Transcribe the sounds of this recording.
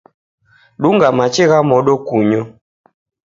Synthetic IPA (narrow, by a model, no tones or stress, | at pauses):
ɗuŋɡamat͡ʃiɣamɔɗokuɲo